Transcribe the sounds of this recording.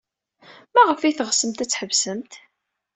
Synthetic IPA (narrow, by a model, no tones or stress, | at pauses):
mæʁəfijθʁsəmt̪æt͡sːħəvsəmt̪